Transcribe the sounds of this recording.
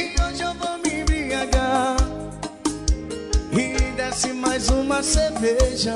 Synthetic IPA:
ioʒovomibiaɡa | hid̪asimajzũmɐseɾveʒɐ

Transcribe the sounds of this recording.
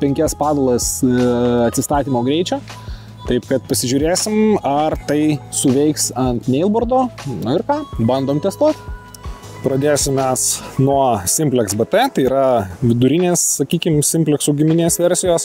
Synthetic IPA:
pʲɛŋʲkʲɛspɑːd̪ɐlˠɐs | ɐt̪ʲsʲɪst̪ɑːt̪ʲiːmoːɡɾʲɛɪt͡ʃʲoː | t̪ɐɪpkɐt̪pɐsʲɪʒʲuːɾʲeːsʲɪmɐrt̪ɐɪsʊʋʲɛɪksɐnt̪nʲɛɪlˠboɾd̪oːnʊɪɾkɑːbɐnd̪oːmt̪ʲɛst̪uɔt̪ʲ | pɾɐd̪ʲeːsʲɪmmʲɛsnuɔsʲɪmʲpʲlʲɛksbɛt̪ɛt̪ɐɪiːɾɐʋʲɪd̪ʊɾʲɪnʲeːssɐkʲiːkʲɪmsʲɪmʲpʲlʲɛksuɡʲɪmʲɪnʲeːsʋʲɛɾʲsʲɪjoːs

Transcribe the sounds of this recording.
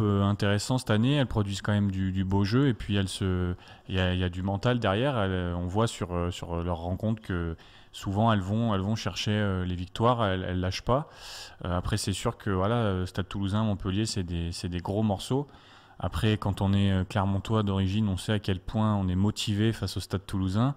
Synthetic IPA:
pøɛ̃t̪eʁɛsɑ̃sɛ̥t̪aneɛlpχɔd̪ɥizkɑ̃mɛmd̪yd̪yboʒøepɥiɛlsə | jailjad̪ymɑ̃t̪ald̪ɛʁjɛʁɛlɔ̃vwasyʁøsyʁlœʁːɑ̃kɔ̃t̪χkə | suvɑ̃ɛlvɔ̃ɛlvɔ̃ʃɛʁʃeølevik̚t̪waʁɛlɛ̰lːaʃpaøapχɛsɛsyʁkʰəvwalaləst̪ad̪̚t̪uluzɛ̃mɔ̃pəljesɛd̪esɛd̪eɡʁomɔʁso | a̰pχɛkɑ̃t̪ɔ̃nɛøklɛʁmɑ̃t̪wad̪ɔʁiʒinɔ̃sɛakʲɛlpwɛ̃ɔ̃nɛmɔt̪ʰivefasost̪ad̪̚t̪uluzɛ̃

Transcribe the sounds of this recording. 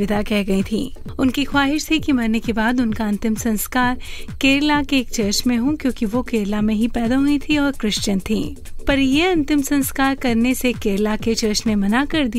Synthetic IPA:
ɪd̪ʱakɛɦɡɐĩt̪ʰḭ̃ː | ʊnkixwaːɦɪʃt̪ʰikimɐɾnːekebaːd̪ʊnkaɐ̃nt̪ɪmsɐ̃nskaːɾkeːɾlakeːkt͡ʃɐɾʃmẽɦũkjõːkiʋokeːɾlamẽɦipɛːd̪aɦuit̪ʰiɔːɾkɾɪʃt͡ʃənt̪ʰḭ̃ː | pɐɾjeɐ̃nt̪ɪmsɐ̃nskaːɾkɐɾnesekeːɾlaket͡ʃɐɾʃnemɐnakɐɾd̪i

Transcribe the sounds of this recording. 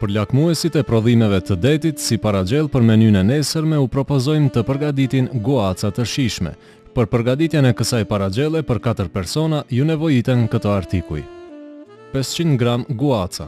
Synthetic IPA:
pəɾlakmuɛsit̪ɛpɾɔðimɛvɛt̪əd̪ɛt̪it̪sipaɾad͡ʒɛlˠpəɾmɛnynɛnɛsəɾmɛupɾɔpɔzɔjmt̪əpəɾɡad̪it̪inɡuat͡sat̪əɾʃiʃmɛ̰ | pəɾpəɾɡad̪it̪jɛnɛkəsajpaɾad͡ʒɛlˠɛpəɾkat̪əɾpɛɾsɔnajunɛvɔjit̪ɛnkət̪ɔaɾt̪ikṵj | pɛst͡ɕinɡɾamɡuat͡sa̰

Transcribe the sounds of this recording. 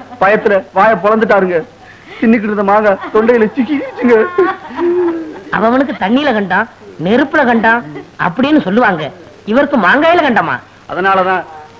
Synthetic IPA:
pɐjɐt̪ːɪlɐʋaːjɐpɔlɐnd̪ɯʈːaːɾɯŋɡɐ | t͡ʃɪnːɪk̬ːɪɽɯnd̪ɐmaːŋɡaːt̪ɔɳɖɐjɪlɐt͡ʃɪk̬ːikːʋɪt͡ʃːɯŋɡɐ | ɐ̰ʋɐ̃ʋɐnɯk̬ːɯt̪ɐɳːiːlɐkɐɳɖãː | nɛɾɯpːɯlɐkɐɳɖãːɐ̰pːɐɽɪjeːnːɯsɔlːɯʋaːŋɡɐ | ɪʋɐɾɯkːɯmaːŋɡajɪlɐkɐɳɖaːma̰ː | ɐ̰ðɐnaːlɐt̪ãː

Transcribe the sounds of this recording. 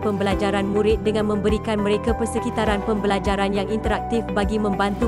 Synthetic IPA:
pəmbəlad͡ʒaɾanmũɾɪt̪̚dəŋãnmə̃mbəɾikanmə̃ɾekapərsəkit̪aɾanpəmbəlad͡ʒaɾanjaŋʔint̪əɾak̚t̪ɪfbaɡimə̃mbant̪u

